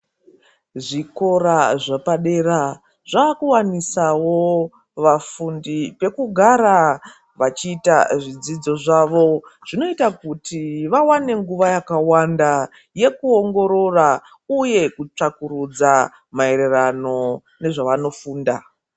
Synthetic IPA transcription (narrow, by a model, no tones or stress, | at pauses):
ʐiko̞ɾaʐapaɗe̞ɾa | ʐ̥aːkuwanisawo̞ | ʋafundipe̞kuɡʱaɾa | ʋat͡ʃiːtaʐid͡zid͡zo̞ʐaʋo̞ʐ̥ino̞itakutiʋawane̞ŋɡuʋajakawanda | je̞kuo̞ŋɡo̞ɾo̞ra | uje̞kut͡ʂakuɾud͡za | mae̞ɾerano̞ | ne̞ʐaʋano̞fuːnda